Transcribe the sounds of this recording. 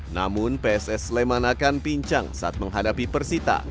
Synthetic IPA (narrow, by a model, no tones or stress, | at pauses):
na̰mʊnpeɛsɛslemanakanpiɲt͡ʃa̰ŋsaʔat̪̚məŋɦadapipərsit̪a̰